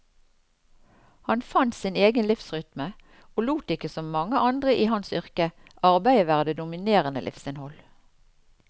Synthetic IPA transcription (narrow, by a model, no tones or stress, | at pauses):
hɑnfɑnt̪sɪneːɡənlɪfsʁʏt̪mə | oːluːt̪ɪkəsɔmːɑŋəʔɑnd̪ʁəʔiːhɑnsʏʁkə | ʔɑʁbæɪəʋæːʁəd̪eːd̪ʊmɪneːʁənə̰lɪ̰fsɪnhɔl